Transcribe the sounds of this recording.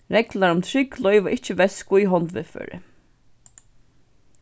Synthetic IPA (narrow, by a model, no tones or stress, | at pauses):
ɾɛklaɾʊmt̪ʰɾɪklœʏvaʔɪht͡ʃɪʋɛskʊiɦɔnt̪ʋɪðfœ̰ːɾɪ̰